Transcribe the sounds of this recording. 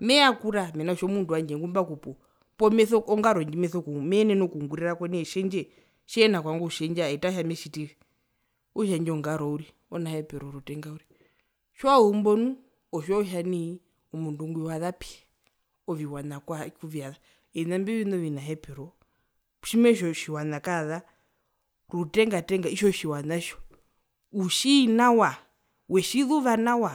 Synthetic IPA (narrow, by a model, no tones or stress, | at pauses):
mɛakuɾamɛnaɔʃɔmunduwaɲd͡ʒɛŋɡumbakupɔ | pɔmɛθɔɔŋɡaɾɔɲd͡ʒimɛθɔkumɛnɛnɔkuŋɡuɾɛɾakwaniɛʃɛɲd͡ʒɛ | ʃɛnakwaŋɡuʃɛɲd͡ʒaɛtaʃ̬amɛʃitiɾi | uʃ̬aɲd͡ʒɛɔŋɡaɾɔuɾi | ɔnahɛpɛɾɔɾutɛŋɡauɾi | ʃwaumbɔnu | ɔʃɔʃani | ɔmunduŋɡwiwaðapi̥ɛ | ɔviwanakwakuviaða | ɛnambiβinɔʋinaɦɛpɛɾɔ | ʃimɛʃɔʃiwanakaða | ɾutɛŋɡatɛŋɡaiʃɔʃiwanaʃɔ̥ | uʃinawa | wɛʃiðuβanawa